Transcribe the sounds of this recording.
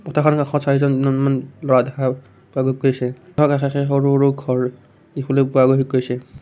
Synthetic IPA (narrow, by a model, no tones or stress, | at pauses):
pɔtʰakʰɔnkaxʰɔsaɹizɔnnɔnmanlɔɹadɛkʰa | puaɡoikːojsɛɔkaxaxɛxɔɹuɹuɡʱɔɹ | dikʰɔlopuaɡoɦikːojsɛ